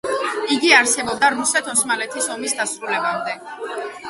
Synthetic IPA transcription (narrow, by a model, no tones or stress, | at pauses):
iɡiaɾsɛbɔb̚d̪aɾusɛt̪ʰɔsmalɛt̪ʰisɔmisd̪asɾulɛbamd̪ɛ